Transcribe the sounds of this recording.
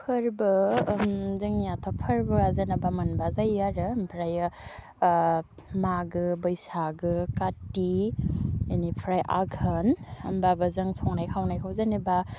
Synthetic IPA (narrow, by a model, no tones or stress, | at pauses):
pʰɯɾbɯmzɯŋijatʰɔpʰɯɾbɯazenabamɐnbazajaɾɯmpʰɾaj | maɡɯbɐjsaɡɯkati | anipʰɾajʔa̰ɡʰʱɐnɐ̰mbabazɯŋsʰɔŋnajkʰawnajkʰawzaniba